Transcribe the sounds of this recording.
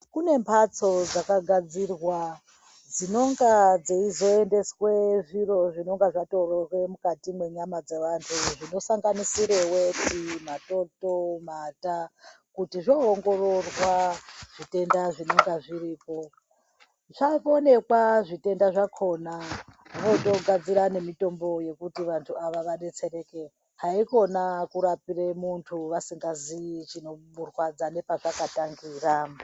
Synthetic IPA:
kune̞mpʰat͡sod͡zakaɡʱad͡zirwa | d͡zino̞ŋɡad͡zeizo̞ende̞swe̞ʐiro̞ʐino̞ŋɡaʐato̞rorwe̞mukatimwe̞ɲamad͡ze̞ʋantʰuʐino̞saŋɡanisiɾewetimato̞tomata | kutiʐo̞ɦoŋɡo̞ro̞rwaʐ̥ite̞ndaʐino̞ŋɡaʐiɾiːpo̞ | ʐ̥aone̞kwaʐite̞ndaʐakʰo̞naʋo̞to̞ɡad͡ziɾane̞mito̞mbo̞je̞kutiʋantʰuaʋaʋaɗe̞t͡se̞ɾe̞ke̞ | ɦaiko̞nakuɾapiremuntʰuʋasiŋɡazit͡ʃino̞ɓurwad͡zane̞paʐakataŋɡiːra

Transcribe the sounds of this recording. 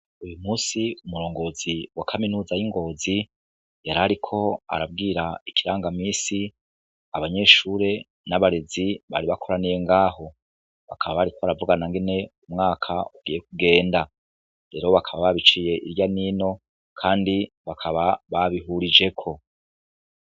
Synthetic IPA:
ujumuːsiumuɾo̞ːŋɡo̞ːziwakʰaminuːzajiŋɡo̞ːzi | jaɾaɾikʰo̞a̰ɾab̚ɡiːɾaikiɾaːŋɡamiːsi | aβaɲe̞ːʃuːɾe̞ | naβaɾeziβa̰ɾiβakʰo̞ɾanije̞ŋɡaːɦo̞ | βa̰kaβaβaɾikoβaɾavuɡanaŋɡe̞ne̞umŋaːkʰauɡiːje̞k̚uɡe̞ːnda | ɾe̞ːɾo̞βakʰaβaβaβit͡ʃije̞ʔiɾjaniːno̞ | kʰaːndi | βakʰaβaβaβiɦuɾid͡ʒe̞kʰo̞

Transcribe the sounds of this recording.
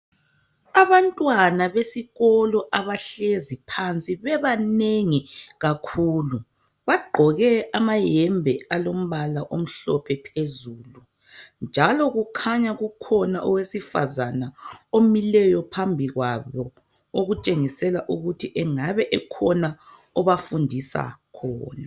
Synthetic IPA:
aβantʼwanaβesiɣɔlɔʔaβaɬezipʰant͡sʼiβɛβaneŋiɣakʰuːlu | βaɡ͡ǃʱɔɣɛamajɛmbʱɛalom̩βalaʔom̩ɬɔpʰɛpʰezuːlu | nd͡ʒʱalɔɣukʰaɲaɣukʰɔnaʔɔwesifa̰zanaomilɛjɔpʰambʱiɣwaβɔ | oɣut͡ʃʼeŋisɛlaʔuɣutʰiʔɛŋaβɛʔɛkʰɔna | ɔβafundʱisa̰kʰɔ̰ːna

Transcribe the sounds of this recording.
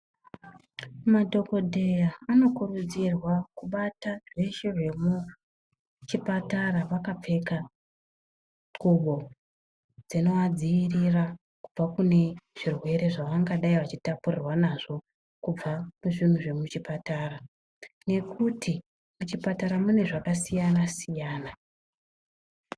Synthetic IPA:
madʱo̞ko̞dʱe̞jaano̞kurud͡zirwakuɓataʐe̞ʃeʐe̞mu | t͡ʃipataɾaʋakap͡fe̞ka | ɡuɓo̞ | d͡zino̞wad͡ziːrira | kub͡vakune̞ʐ̥irwe̞ɾe̞ʐaʋaŋɡaɗaiʋat͡ʃitapurirwanaʐo̞ | kub͡vamuʐin̤uʐe̞mut͡ʃipatara | ne̞kʰutʰi | mut͡ʃipataɾamune̞ʐakasijanasijaːna

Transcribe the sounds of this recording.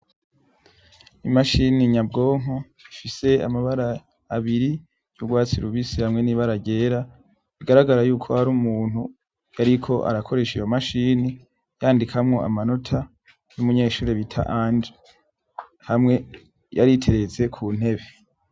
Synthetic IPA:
imaʃiniɲabɡo̞ːŋ̥o | ifise̞a̰maβaɾaː | βiɾi | juɡwaːt͡siɾuβisihamŋe̞niβaɾaɟe̞ːɾa | iɡaɾaɡaɾajuːkʰo̞haɾumuːn̥hu | jaɾikʰo̞ʔa̰ɾakʰo̞ɾe̞ʃijo̞maʃini | jaːndikʰamŋo̞a̰mano̞tʰa | jumuɲeːʃuːɾeβitʰa̰ʔaːɲd͡ʒe | hamŋe̞ | jaɾitʰe̞ɾe̞ze̞kʰuːn̥he̞βe̞

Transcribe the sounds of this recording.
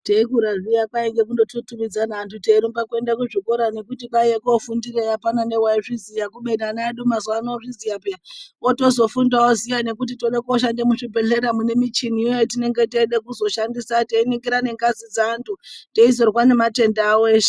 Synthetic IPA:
teikuɾaʐijakaiŋɡe̞k̬undo̞tutumid͡zanaːntʰuteɾimbakue̞ndakuʐikoɾane̞kutikaekoːfundiɾejapanane̞waiʐizijakuɓedanaɗumazwanooʐizijapeaoto̞zo̞fundaozijane̞kut̬ito̞ɗekaoʃ̬andemuʂibʱe̞ɬeɾamune̞mit͡ʃin̤iotine̞ŋɡe̞teɗekuzo̞ʃandisateiniŋɡiɾane̞ŋɡazid͡zaːntʰuteizo̞rwane̞mate̞ndaːwoeːʃe̥

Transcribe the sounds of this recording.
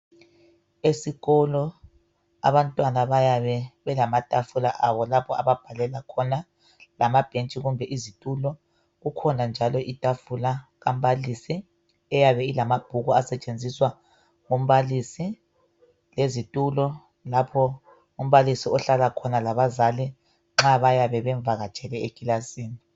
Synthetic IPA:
esiɣɔlɔ | a̰βantʼwanaβajaβɛβɛlamatʼafulaʔaβɔlapʰɔa̰βab̥ʱalɛlakʰɔna | lamab̥ʱent͡ʃʼiɣumbʱɛʔizitʼulɔ | ɣukʰɔnand͡ʒʱalɔʔitʼafulaɣam̩βalisi | ɛjaβɛilamab̥ʱuɣuasɛt͡ʃʼend͡zʱiswa | ŋum̩βalisi | lezitʼulɔ | lapʰɔ | um̩βalisiɔɬalakʰɔnalaβazali | ŋ͡ǁaβajaβɛβɛɱvʱaɣḁt͡ʃʼɛlɛekʼilasiːni

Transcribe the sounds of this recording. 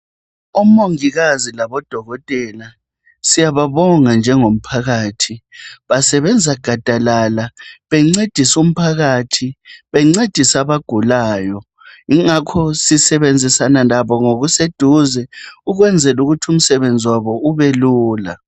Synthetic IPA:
umoŋiɣazilaβɔd̥ʱɔɣɔtʼɛːla | sijaβaβɔŋand͡ʒʱɛŋom̩pʰaɣaːtʰiβasɛβɛnd͡zʱaɡ̥ʱad̥ʱalalaβɛŋ͡ǀed̥ʱisum̩pʰaɣaːtʰiβɛŋ͡ǀed̥ʱisaβaɡ̥ʱulaːjɔ | iŋakʰɔsisɛβend͡zʱisanalaβɔŋoɣused̥ʱuzɛuɣwɛnd͡zʱɛluɣutʰum̩sɛβend͡zʱiwaβɔuβɛluːla̰

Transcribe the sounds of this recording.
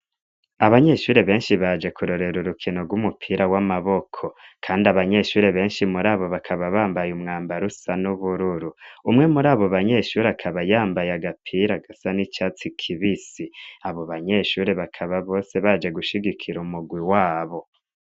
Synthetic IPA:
aβaɲeʃuːɾe̞βe̞ːnʃiβad͡ʒe̞kʰuɾo̞ɾe̞ɾuɾukʰinoɡwumupʰiːɾawamaβo̞kʰo̞kʰaːndiaβaɲe̞ʃuːɾe̞βe̞ːnʃimuɾaːβo̞βakʰaβaβaːmbajumŋaːmbaɾusanuβuɾuɾuumŋe̞muɾaːβo̞βaɲe̞ʃuːɾeakʰaβajaːmbajaɡapʰiːɾaɡasanit͡ʃaːt͡sikʰiβisiaβo̞βaɲe̞ʃuːɾeβakʰaβaβo̞ːse̞βaːd͡ʒe̞ɡuʃiɡikʰiɾumuɡwiwaːβo̞

